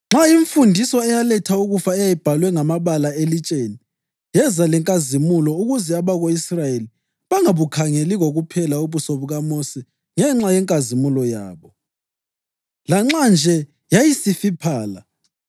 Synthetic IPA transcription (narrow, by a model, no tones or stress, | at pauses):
ŋ͡ǁaiɱfundʱisɔɛjalɛtʰauɣufaɛjajib̥ʱalwɛŋamaβalaelit͡ʃʼeni | jɛzalɛŋkʼazimulɔuɣuzɛaβaɣoisrajeli | βaŋaβukʰaŋeliɣoɣupʰɛlauβusoβuɣamosi | ŋɛŋ͡ǁajɛŋkʼazimulɔja̰ːβɔ | laŋ͡ǁand͡ʒʱɛ | jajisifipʰaːla̰